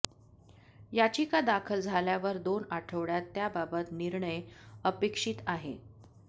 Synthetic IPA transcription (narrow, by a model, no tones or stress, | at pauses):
jat͡ɕiːkad̪akʰəld͡zʱaljaʋəɾd̪onaʈʰəʋɭjat̪ːjababət̪niɾɳəjəpekʂiːt̪aɦḛ